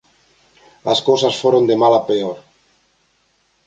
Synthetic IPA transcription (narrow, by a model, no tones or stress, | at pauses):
laskosasfoɾond̪emalapeoɾ